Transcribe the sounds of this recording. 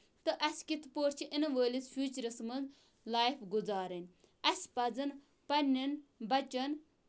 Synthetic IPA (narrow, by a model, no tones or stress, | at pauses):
t̪ɨʔɐskit̪ʰpoːɾt͡ʃʰiʔinʋəːlisfʲjuːt͡ʃɾɐsmɐnz | laːjifɡuzaːɾɐnʲ | ɐspɐd͡zɐn | pɐnʲinbɐt͡ʃɐn